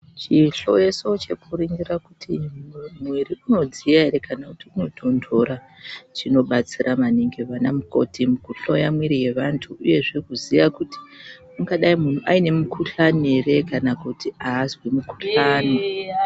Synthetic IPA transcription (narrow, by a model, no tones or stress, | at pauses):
t͡ʃiɬo̞̰jeso̞t͡ʃe̞kuriŋɡirakutʰimwiɾiʔuno̞d͡zijaeɾe̞kanakutiuno̞dʰʱo̞ndʰʱo̞ɾa | t͡ʃino̞ɓat͡sirʔamaniŋɡeʋanamuko̞̰tʰimukuɬo̞jamwiɾije̞ʋantʰuuje̞ʐekuzijakuti̥muŋɡaɗaimun̤uʔaine̞mukʰuɬanere̞kanakutʰiaːzwimukuɬaːno